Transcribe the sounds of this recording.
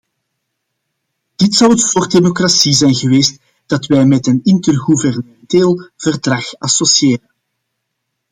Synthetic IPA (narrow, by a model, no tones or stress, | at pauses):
d̥ɪtsɑwətvoːrdemokrasizɛjnɣəʋeːst | d̥ɑtwɛjmɛtənɪntərɣuvɛrnəmɛnteːlˠv̥ərdrɑxɑsosieːrən